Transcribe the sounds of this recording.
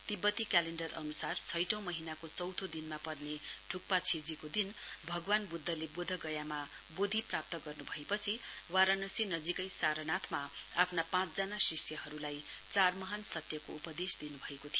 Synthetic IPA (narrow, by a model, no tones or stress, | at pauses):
t̪ibːʌt̪ikaleɳɖʌrʌ̰nusart͡sʰʌjʈʌ̃w̃mʌɦinakot͡sʌwt̪ʰod̪inmapʌrneɖʰʱuk̚pat͡sʰid͡zikod̪inbʱʌɡwanbud̪ʱːʌlebod̪ʱʌɡʌjama | bod̪ʱiprap̚t̪ʌɡʌrnubʱʌepʌt͡sʰi | waɾanʌsinʌd͡zikʌjsaɾʌnat̪ʰmaapʰnapãt͡sd͡zanasisjʌɦʌɾulaj | t͡sarmʌɦansʌt̪jʌkoupʌd̪esd̪inubʱʌekot̪ʰijo